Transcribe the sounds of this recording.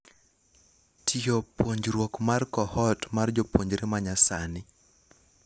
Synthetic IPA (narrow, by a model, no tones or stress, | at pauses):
tʰijopoɲd͡ʒɾwokmarkɔhɔtmard͡ʒopwoɲd͡ʒɾemaɲasanɪ